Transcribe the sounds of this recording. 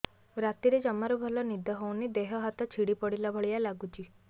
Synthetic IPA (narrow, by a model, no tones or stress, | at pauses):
ɾat̪iɾed͡ʒɔmaɾubʱɔlɔnid̪ʱɔɦownid̪eɦɔɦat̪ɔt͡ʃʰiɽipɔɽilabʱɔɭijalaɡut͡ʃʰi